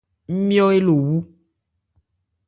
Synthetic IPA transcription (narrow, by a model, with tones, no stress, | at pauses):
m̩˦mĩ˦ɔ˦e˦lo˨wu˦